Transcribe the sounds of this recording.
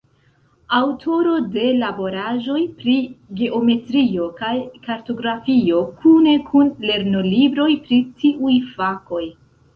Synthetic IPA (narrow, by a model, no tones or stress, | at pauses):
awtʰo̞ɾo̞de̞labo̞ɾaʒo̞jpɾiɡe̞ʔome̞tɾio̞kajkaɾto̞ɡɾafio̞kʰune̞kʰunle̞ɾno̞libɾo̞jpɾitiʔujfako̞j